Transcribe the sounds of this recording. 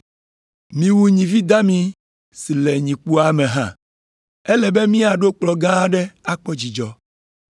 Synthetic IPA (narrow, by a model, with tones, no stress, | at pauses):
mĩ˨wu˨ɲĩ˨vi˦d̪a˦mĩ˦ | si˨lɛ˨ɲĩ˨k͡pu˦a˨mẽ˨ɦã˦˨ | ɛ˦lɛ˨be˦mĩ˦a˨ɖo˦k͡plɔ˨ɡã˦ɖɛ˦a˦k͡pɔ˦d͡ʑi˨d͡ʒɔ˦